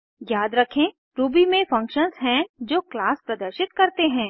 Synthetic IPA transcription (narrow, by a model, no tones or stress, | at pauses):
jaːd̪ɾɐkʰẽ | ɾuːbimẽfɐ̃ŋkʃənzɦɛ̃d͡ʒoːklaːspɾɐd̪əɾʃɪt̪kɐɾt̪eɦɛ̃ː